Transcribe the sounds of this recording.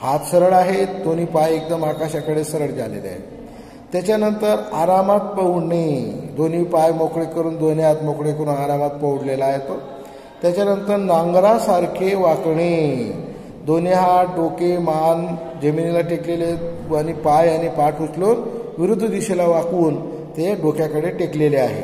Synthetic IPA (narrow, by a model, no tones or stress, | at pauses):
hat̪səɾəɭaɦed̪on̤iːpajek̚d̪əmakaɕakəɽesəɾəɭd͡za̰lḛla̰ɦḛ | t̪jat͡ɕanənt̪əɾaɾamat̪̚pəwɳid̪onipajmokɽekəɾuːnd̪onjat̪mɔkɽekəɾuːnaɾamat̪̚pəwɽlelaːɦet̪o | t̪jat͡ɕjanənt̪əɾnãŋɡɾasaɾkʰeʋakɳi | d̪onjɦaɖokeman | d͡ʑəminilaʈekleleanipajañipaʈut͡sloːnʋiɾud̪ʱːd̪iɕelaʋakuːn | t̪eɖokʰjakəɽeʈekleleaɦḛ